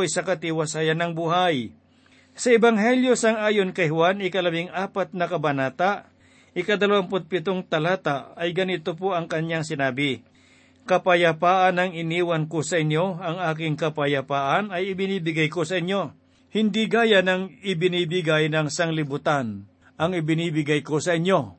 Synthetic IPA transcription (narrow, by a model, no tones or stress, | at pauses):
jsɐkɐt̪ɪwɐsaːjɐnːɐŋbuhaj | sɐɛbaŋɦɛljo̞sɐŋaːjo̞nkɐjhwanɪkɐlɐbɪŋaːpɐt̪̚nɐkɐbɐnaːt̪aʔ | ʔɪkɐd̪ɐlɐwanpʊt̪̚pɪt̪oŋt̪ɐlaːt̪aɐjɡɐnɪt̪opoʔɐŋkɐɲjaŋsɪnaːbɪ | kɐpɐjɐpaːʔɐnɐŋɪniːwɐnkosɐʔɪɲjo̞ɐŋaːk̬ɪŋkɐpɐjɐpaːʔanɐjɪbɪniːbɪɡajko̞sɐɪɲjo̞ | hɪnd̪iɡaːjanɐŋɪbɪniːbɪɡajnɐŋsaŋlɪbʊt̪an | ʔɐŋɪbɪniːbɪɡajko̞sɐʔɪɲjo̞